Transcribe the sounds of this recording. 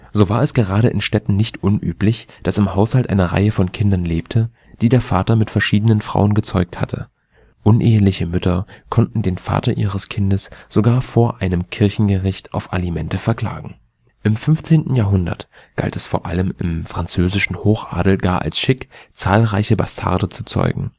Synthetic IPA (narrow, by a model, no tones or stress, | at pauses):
z̥oːvaːɐɛsɡ̥əʁaːɾəʔɪ̰nʃtɛtn̩nɪçtʔʊnʔyːplɪçd̥asɪmhaʊshaltʔa̰ɪnəʁa̰ɪəfɔnkʰɪndɐnleːptʰə | d̥iːdeːɐfaːtɐmɪtfɛɐʃiːdənənfʁ̥a̰ʊənɡət͡sɔʏk̚thatʰə̰ | ʔʊnʔeːəlɪçəmʏtʰɐkʰɔntn̩deːnfa̰ːtɐʔiːʁəskʰɪndəsz̥oɡaːɐfoːɐʔaɪnəmkʰɪɐçn̩ɡəʁɪçtʔaʊfʔa̰limɛntəfɛɐkʰl̥a̰ːɡŋ̩ | ʔɪmfʏnft͡seːntn̩jaːɐɦʊndɐ̰t | ɡ̥a̰ltɛsfoːɐʔa̰ləmɪmfʁ̥ant͡søːzɪʃn̩hoːxʔa̰ːdl̩ɡaːɐʔa̰lsʃɪkt͡saːlʁaɪçəba̰stʰa̰ɐdət͡su̥t͡sɔ̰ʏɡŋ̩